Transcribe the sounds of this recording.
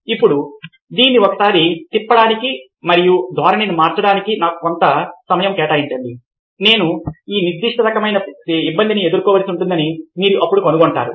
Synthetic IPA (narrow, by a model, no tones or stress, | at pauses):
ipːuɽu | d̪iːnːiɔkɐ̥saːɾit̪ipːɐɽaːniki | mɐɾijud̪ʱʋaːɾɐneːnumaːɾt͡ʃɐɽaːnikinaːkukont̪ɐsɐmɐjɐmkɛːʈaːjiɲt͡ʃɐɳɖi | ne̞ːnuiːniɾd̪ːiʂʈɐɾɐkɐmɐjnɐibːɐnd̪inie̞d̪uɾkɔːʋɐlsiuɳʈund̪ɐnimiːɾuʔɐpːuɽukonuɡɔɳʈa̰ːɾṵ